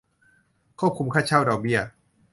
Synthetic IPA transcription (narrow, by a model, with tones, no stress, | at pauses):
kʰuː˥˩p̚kʰu˧˦mkʰa˥˩t͡ɕʰa˥˩wda˧wbi˥˩ɐ